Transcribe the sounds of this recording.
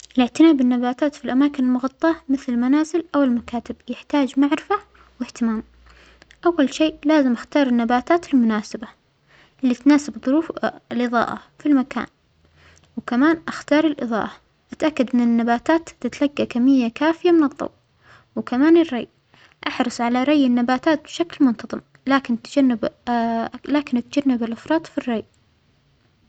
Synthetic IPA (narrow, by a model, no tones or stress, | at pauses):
ʔɪlɪʕt̪ɪnaːbɪnːabaːt̪aːt̪filʔamaːkɪnɪlmʊɣɑt̪ˤːɑɑmɪθllmanaːzɪlʔawɪlmakaːt̪ɪbjɪħt̪aːd͡ʒmaʕɾɪfa | wɪht̪ɪmaːm | ʔawːalʃeːʔlaːzɪmʔaxt̪ɑːɾˤɪnːabaːt̪aːt̪ɪlmʊnaːsaba | ʔɪlːiːt̪naːsɪbðˤʊɾuːflʔɨðˤɑ̰ːʔa̰filmaka̰ːn | wkamaːnʔaxt̪ɑːɾˤɪlʔɨðˤɑ̰ːʔɑ | ʔat̪ʔakːad̪ʔɪnːɪnːabaːt̪aːt̪ːɪt̪laɡːakamːɪjːakaːfɪjamɪnɨðˤːɑ̰w | wɪkamaːnɪrˤːɑ̰j | ʔaħɾˤɑsˤʕalaɾˤɑjːɪnːabaːt̪aːt̪̚bʃaklmʊnt̪ɑðˤɨm | laːkɪnt̪ad͡ʒanːɪb | laːkɪnʔat̪ad͡ʒanːɪbɪlʔɑfɾˤɑːt̪ˤfirːɑj